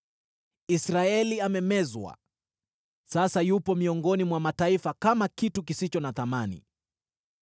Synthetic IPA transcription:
isɾaɛliamɛmɛzwa̰ | sasajupɔmiɔŋɡɔnimwamataifakamakituk̬isit͡ʃɔnaθamanḭ

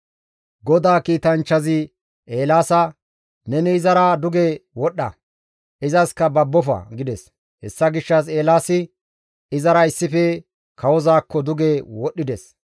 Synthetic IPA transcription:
ɡɔd̪aːkiːt̪ɐnt͡ʃːɐzɪ | ʔe̞ːlaːsɐ | nɛnɪːzɐɾaːd̪ʊɡeːwɔɗːɐ̰ | ʔɪzɐskɐbɐbːɔfɐ̰ɡɪd̪ɛs | hɛsːɐɡɪʃːɐse̞ːlaːsɪ | ɪzɐɾɐɪsːɪfɛ | kʰɐwɔzaːkːɔd̪ʊɡeːwɔɗːɪd̪ɛs

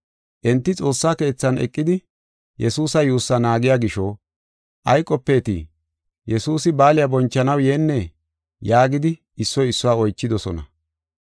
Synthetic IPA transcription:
ʔɛnt̪ːɪt͡sʼo̞ːsːaːke̞ːt͡sːɐnɛ̰kʼːɪd̪ɪ | jɛsuːsɐjuːsːɐnaːɡɪjaɡɪʃɔː | ʔɐjkʼːɔpːe̞ːt̪ḭ | jɛsuːsɪbaːlɪjabɔnt͡ʃːɐnɐwjeːnːɛ | jaːɡɪd̪ɪ | ɪsːɔjɪsːʊwaːɔjt͡ʃːɪd̪ɔsɔnɐ̰

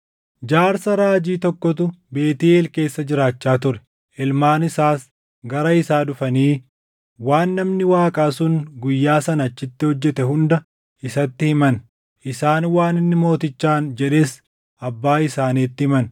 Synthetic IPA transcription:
d͡ʒaːɾsɐɾaːd͡ʒiːt̪ɔkːɔt̪ʊbe̞ːt̪iːeːlke̞ːsːɐd͡ʒɪɾaːt͡ʃːaːt̪ʊɾɛ̥ | ʔɪlmaːnɪsaːs | ɡɐɾɐɪsaːd̪ʊfɐniː | waːnːɐmnɪwaːkʼaːsʊnɡʊjːaːsɐnɐt͡ʃːɪt̪ːɪhɔd͡ʒːɛt̪ɛɦʊnd̪ɐ | ɪsɐt̪ːɪhɪmɐn | ʔɪsaːnwaːnɪnːɪmo̞ːt̪ɪt͡ʃːaːnd͡ʒɛᶑeːs | ɐbːaːɪsaːniːt̪ːɪhɪmɐn

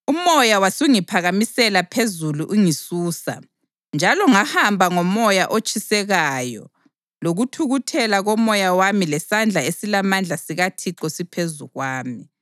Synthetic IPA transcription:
umɔjawasuŋipʰaɣamisɛlapʰezuluʔuŋisuːsa̰ | nd͡ʒʱalɔŋahambʱaŋɔmɔjaʔot͡ʃʼʰisɛɣajɔ̰ | loɣutʰuɣutʰɛlaɣɔmɔjawamilɛsand͡ɮʱaesilamand͡ɮʱasiɣatʰiǁɔsipʰezuɣwaːmi

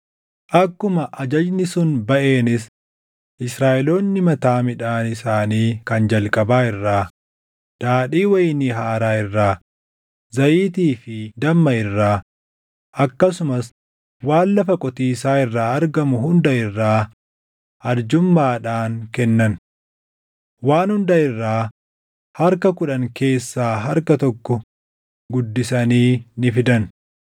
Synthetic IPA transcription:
ʔɐkːʊmɐʔɐd͡ʒɐd͡ʒnɪsʊnbɐʔe̞ːnɪs | ʔɪsɾaːʔɛloːnːɪmɐt̪aːmɪᶑaːnɪsaːniːkɐnd͡ʒɐlkʼɐbaːɪrːaː | d̪̥aːᶑiːwɐjnɪɦaːɾaːɪrːaː | zɐjiːt̪iːfɪd̪ɐmːɐɪrːaː | ʔɐkːɐsʊmɐs | waːnːɐfɐkʼɔt̪iːsaːɪrːaːɐɾɡɐmʊhʊnd̪ɐɪrːaː | ʔɐɾd͡ʒʊmːaːᶑaːnkɛnːɐn | waːnhʊnd̪ɐɪrːaː | hɐɾkɐkʊᶑɐŋke̞ːsːaːɦɐɾkɐt̪ɔkːɔ | ɡʊd̪ːɪsɐniːnɪfɪd̪ɐn

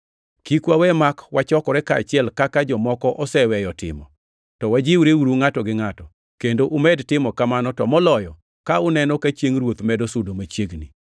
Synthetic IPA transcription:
kikwawɛmakwat͡ʃɔkɔɾɛkaa̰t͡ʃɪɛlkakad͡ʒɔmɔkɔʔɔsɛwɛjɔtɪ̰mɔ̰ | tɔwad͡ʒɪwɾeuɾuŋatɔɡɪŋatɔ | kendoʔʊmɛdtɪmɔkamanɔtɔmɔlɔjɔ | kaʊnɛnɔkat͡ʃjeŋɾwot̪mɛdɔsudomat͡ʃjeɡni

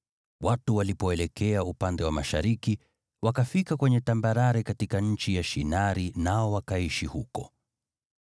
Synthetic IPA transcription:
watuwalipɔɛlɛkʰɛaupandɛwamaʃaɾiki | wakafikakwɛɲɛtambaɾaɾɛkatikaɲ̩t͡ʃijaʃinaɾinaɔwakaiʃihukɔ

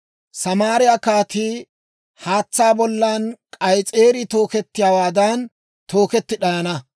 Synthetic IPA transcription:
sɐmaːɾɪjakaːt̪iː | haːt͡sːaːbɔlːankʼɐjt͡sʼeːɾɪt̪o̞ːkɛt̪ːɪjawaːd̪ɐn | t̪ʰo̞ːkɛt̪ːɪɗɐjɐnɐ

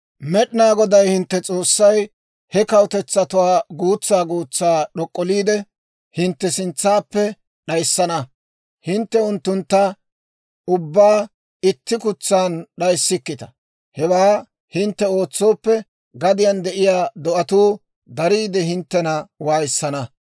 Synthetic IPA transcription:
mɛɗɪnaːɡɔd̪ɐjhɪnt̪ːɛt͡sʼo̞ːsːɐj | hɛkɐwt̪ɛt͡sːɐt̪ʊwaːɡuːt͡sːaːɡuːt͡sːaːɗɔkʼːɔliːd̪ɛ | hɪnt̪ːɛsɪnt͡sːaːpːɛ | ɗɐjsːɐnɐ | hɪnt̪ːɛʊnt̪ːʊnt̪ːɐ | ʊbːaː | ɪt̪ːɪkʊt͡sːaːnɗɐjsːɪkːɪt̪ɐ̥ | hɛwaː | hɪnt̪ːɛo̞ːt͡sːo̞ːpːɛ | ɡɐd̪ɪjɐnd̪ɛʔɪjaːd̪ɔʔɐt̪uː | d̪ɐɾiːd̪ɛhɪnt̪ːɛnɐwaːjsːɐnɐ

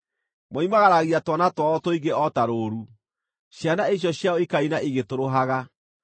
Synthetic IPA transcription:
mɔimaɣaɾaɣiatwanatwaɔtɔiɣɡeʔɔtaɾoɾu | ɕjanaeɕ̬jɔɕjaɔikainaʔiɣetoɾoɦaɣa

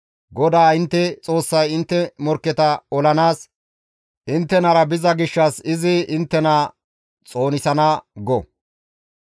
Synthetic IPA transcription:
ɡɔd̪aːɪnt̪ːɛt͡sʼo̞ːsːɐjɪnt̪ːɛmɔɾkːɛt̪ɐɔlɐnaːs | ʔɪnt̪ːɛnɐɾɐbɪzɐɡɪʃːɐsɪzɪʔɪnt̪ːɛnaː | t͡sʼo̞ːnɪsɐnɐɡɔ

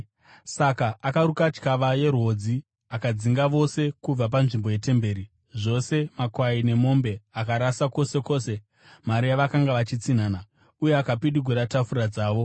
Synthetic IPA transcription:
sakaakaɾukat͡ʃkaʋaje̞ɾwo̞d͡zi | akad͡ziŋɡaʋo̞se̞kub͡vap̬anʐimbo̞je̞te̞mbe̞ːɾi | ʐo̞se̞makwaine̞mo̞mbe̞akaɾasako̞se̞ko̞se̞ | maɾijaʋakaŋɡaʋat͡ʃit͡sin̤aːna | ujeakapiɗiɡʱeɾatafuɾad͡zaːʋo̞

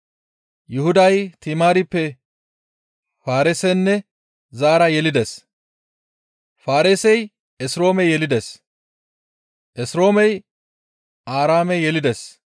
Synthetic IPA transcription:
jʊhʊd̪ɐjt̪ɪmaːɾɪpːɛ | faːɾɛsɛnːɛ | zaːɾɐjɛlɪd̪ɛs | faːɾesɛj | ɛsɾo̞ːmɛjɛlɪd̪ɛs | ʔɛsɾo̞ːmɛj | aːɾaːmɛjɛlɪd̪ɛs

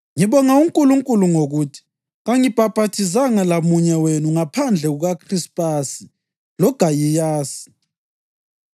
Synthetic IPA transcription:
ŋiβɔŋauŋkʼuluŋkʼuluŋoɣutʰi̥ | ɣaŋib̥ʱab̥ʱatʰizaŋalamuɲɛwenuŋapʰand͡ɮʱɛɣuɣakʰrispʼasi̥ | lɔɡ̥ʱajijaːsi̥

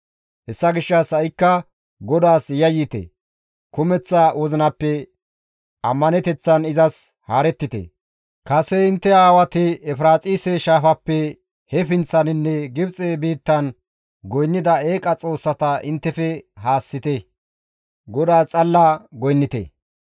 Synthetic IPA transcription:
hɛsːɐɡɪʃːɐsɐjɪkːɐ | ɡɔd̪aːsjɐjit̪ḛ | kʊmɛt͡sːɐwɔzɪnɐpːɛ | ɐmːɐnɛt̪ɛt͡sːɐnɪzɐs | haːɾɛt̪ːɪt̪ḛ | kɐsɛɪnt̪ːɛaːwɐt̪ɪɛfɾaːt͡sʼiːsɛʃaːfɐpːɛ | hɛfɪnt͡sːɐnɪnːɛɡɪbt͡sʼeːbiːt̪ːɐn | ɡɔjnːɪd̪ɐeːkʼɐt͡sʼo̞ːsːɐt̪ɐʔɪnt̪ːɛfɛɦaːsːɪt̪ɛ | ɡɔd̪aːt͡sʼɐlːaɡɔjnːɪt̪ḛ

